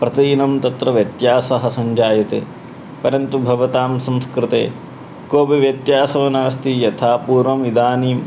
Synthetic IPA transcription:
pɾɐt̪inɐmt̪ɐt̪ɾɐʋjɐt̪jaːsɐɦɐ̆sɐɲd͡ʒaːjɐt̪ḛː | pɐɾɐnt̪ubʱɐʋɐt̪aːmsɐ̃mskɾɪt̪ḛː | koːbiʋjɐt̪jaːsɐʋɐnaːst̪ijɐt̪ʰaːpuːɾʋɐmʋid̪aːniːm

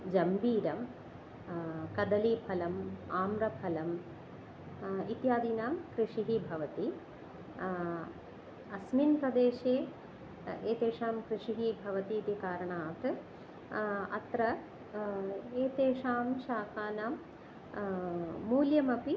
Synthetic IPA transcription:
d͡ʒɐmbʱiːɾɐm | kɐd̪ɐliːpʰɐlɐmaːmɾɐpʰɐlɐm | it̪jaːd̪iːnaːmkɾiʂiɦibʱɐʋɐt̪i | ɐsminpɾɐd̪eːʃeː | eːt̪eːʂaːmkɾiʂiɦibʱɐʋɐt̪iːt̪ikaːɾɐɳaːt̪ | ɐ̰t̪ɾɐ | eːt̪eːʂaːmʃaːkaːnaːm | uːljɐmɐpi

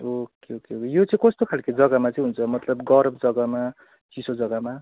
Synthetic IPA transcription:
okeɦokeɦokejot͡sʌĩkʌst̪okʰalked͡zʌɡamat͡sʌĩɦunt͡sʰʌmʌt̪lʌbɡʌɾbd͡zʌɡama | t͡sisod͡zʌɡama

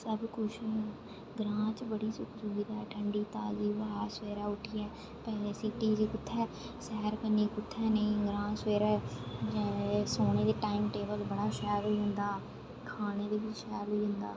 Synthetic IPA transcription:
səbkʊt͡ʃʰ | ɡɾãːt͡ʃbəɽiːsʊksʊɡid̪aːɛːʈʰəɳɖiːt̪aːd͡ʒiːbəːaːseːɾɛːʊʈʰiːɛː | pɛːesiːʈiːd͡ʒekʊt̪ʰːɛː | sɛːɦəɾkəniːkʊt̪ʰːɛːnəĩːɡɾãːseːɾɛːd͡ʒɛsoːñeːd̪eːʈaːɪmʈeːbəlbəɽaːʃɛːɾɦoiːɦʊ̃nd̪aː | kʰaːneːd̪eːʋɪt͡ʃʃɛːɾoiːɦɪnd̪a̰ː

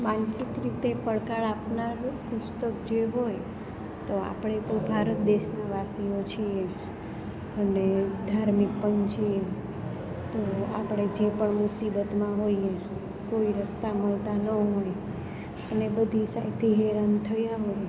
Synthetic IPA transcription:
mansikɾit̪epəɭkaɭapnaɾkʊst̪əkd͡ʒeɦoj | t̪oa̰pɽ̃et̪obʱaɾət̪̚d̪eʃnaʋasijot͡ʃʰie | əned̪ʱaɾmik̚pənt͡ʃʰie | t̪oa̰pɽ̃ed͡ʒepəɳmusibət̪mãɦoje | koiɾəst̪aməlt̪anəɦoj | ənebəd̪ʱisajt̪ʰiɦɛɾant̪ʰəjaɦoj

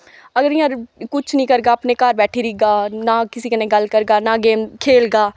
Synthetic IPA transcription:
ɐɡəɾjãɾkʊt͡ʃʰnəĩkɐɾɡaɐpnekaːɾbɛːʈʰiɾiːɡaːnakɪsikɐnẽɡɐlkɐɾɡaːnaɡeːmkʰeːlɡaː

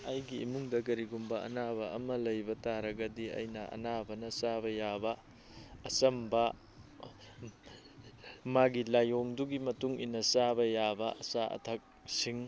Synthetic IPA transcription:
ajɡiːmuŋdɐɡɐɾiɡumbɐɐ̰nabɐɐ̰mɐlɐjbɐtaɾɐɡɐdiɐ̰jnɐʔɐ̰nabɐnɐsabɐjabɐː | sɐmbɐ | maɡilajoŋduɡimɐtuŋḭnɐsabɐjabɐʔɐ̰saʔɐ̰tʰɐk̚siŋ

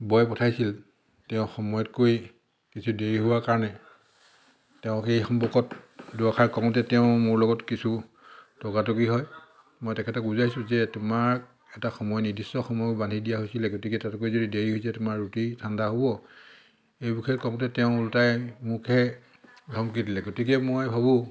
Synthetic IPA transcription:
bɔjpɔtʰajsil | tɛʊ̃xɔmɔjɔtkoj | kisʰudeɹiɦʊwakaɹɔnɛ | tɛʊ̃xejxɔmpɔkɔtduakʰaɹkɔŋɔtɛtɛʊ̃mʊɹlɔɡɔtkisu | tɔɡatɔkiɦɔj | mɔjtɛkʰɛtɔɡuzajsʊ̃zɛtʊmaɹk | ɛtaxɔmɔjɔnidisːɔxɔmɔjɔbandʱidijaɦojsilɛɡotikɛtatkojzodideɹiɦojsɛtʊmaɹːutitʰandaɦobɔ | ejbukʰɛtkɔŋtɛtɛʊ̃ultajmukʰɛ | ɡʱɔmk̬idilɛɡotikɛmojbʱabʊ

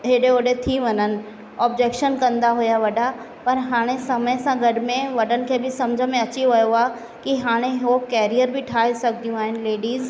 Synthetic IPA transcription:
ɦeɗeoɗet̪ʰiʋɐɲənɪ̆ | ɔːbd͡ʑeːkʃənkɐ̃nd̪aɦujaʋɐɗa | pɐɾɦaːɽ̃esɐməjsãɡɐɽɪmẽʋɐɗənɪ̆kʰeːbɪsɐmd͡ʑʱəmẽɐt͡ɕiʋɐjoaː | kiɦaːɽ̃eɦokɛːɾijəɾbʱɪʈʰaːɦesɐɡd̪ijũaːɦɪnɪ̆leːɖiːz

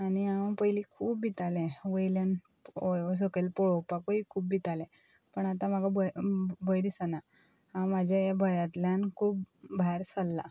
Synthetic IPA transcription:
aniãpəjlikʰuːpbit̪alɛ̃ʋəjljan | os̬əkelpɔɭɔpakoikʰuːp̚bit̪alɛ̃ | pəɳat̪ãmaɡʱabəbəjd̪isana | hãmad͡ʑʱjajabʱəjat̪ljankʰuːp̚bʱajɾsəlːa

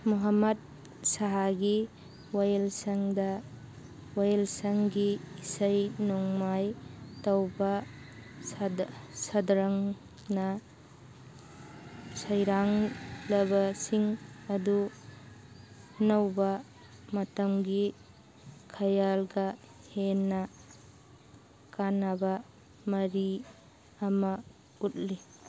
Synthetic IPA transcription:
muɦɐmɐd̚ | saɦaɡi | wajelsɐŋdɐ | wajelsɐŋɡiːsɐjnɔŋmajtɐwbɐ | sɐdɾɐŋ | nɐ | sɐjɾaŋlɐbɐsiŋɐdu | nɐwbɐ | mɐtɐmɡi | kʰɐjalɡɐ | henːɐ | kanabɐ | mɐɾi | ɐmɐ | ut̚li

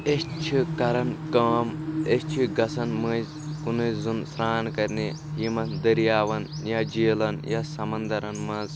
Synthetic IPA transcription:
est͡ʃʰikɐɾɐnkɐːmest͡ʃʰiɡɐsʰɐnmɐz | kunuzunsɾaːnkɐɾni | jimɐnd̪ɐɾjaːʋɐn | jad͡ʒiːlɐnjasɐmɐnd̪ɐɾɐnmɐz

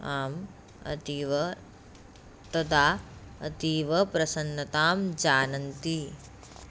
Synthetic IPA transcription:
aːm | ɐ̰t̪iʋɐ | t̪ɐd̪aːɐ̰t̪iːʋɐpɾɐsɐnːɐt̪aːmd͡ʒaːnɐnt̪i

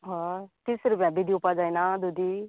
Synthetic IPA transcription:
ɦɔ̃t̪isɾupjãbid̪ʱiupad͡zajnad̪ud̪i

